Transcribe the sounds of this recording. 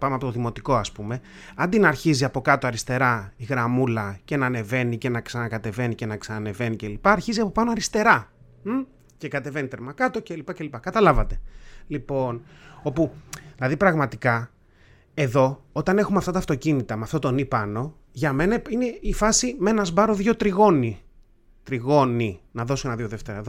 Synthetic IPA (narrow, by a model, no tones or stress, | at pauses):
pɐmeɐpo̞t̪oðimo̞t̪iko̞ɐspume̞ | ɐnd̪inɐɾçiziɐpo̞kɐt̪oɐɾist̪e̞ɾɐiɣɾɐmulɐce̞nɐːne̞ve̞nice̞nɐksɐnɐkɐt̪e̞ve̞nice̞nɐksɐnɐne̞ve̞nice̞lipɐːɾçiziɐpo̞pɐnoɐɾist̪e̞ɾɐ | ce̞kɐt̪e̞ve̞nit̪e̞ɾmɐkɐt̪o̞ce̞lipɐce̞lipɐkɐt̪ɐlɐvɐt̪e̞lipo̞no̞puðilɐðipɾɐɣmɐt̪ikɐ | e̞ðo̞ot̪ɐne̞xumeɐft̪ɐt̪ɐːft̪o̞cinit̪ɐmeɐft̪o̞t̪o̞nipɐno̞ | ʝɐme̞nɐine̞ifɐsime̞nɐzbɐɾo̞ðʝo̞t̪ɾiɣo̞ni | t̪ɾiɣo̞ninɐðo̞suenɐðʝo̞ðe̞ft̪e̞ɾɐeðo